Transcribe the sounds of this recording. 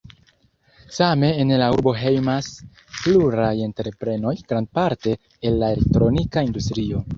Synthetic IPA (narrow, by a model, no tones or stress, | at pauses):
same̞ːnlauɾbo̞ɦe̞jmas | pluɾaje̞ntɾe̞pɾe̞no̞jɡ̥ɾand̚paɾte̞ː | lːae̞lek̚tɾo̞nikaindustɾio̞